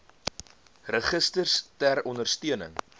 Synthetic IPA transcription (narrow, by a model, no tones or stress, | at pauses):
rəχəstərstæɾɔndərstiənə̰ŋ